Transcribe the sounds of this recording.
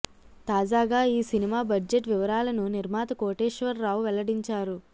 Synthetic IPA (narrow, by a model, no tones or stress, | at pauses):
t̪aːd͡ʒaːɡaːiːsinimaːbɐd͡ʒeʈʋiʋɐɾaːlɐnuniɾmaːt̪ɐkoːʈeːʃʋɐɾːaːwʋɛlɐɽiɲt͡ʃaːɾu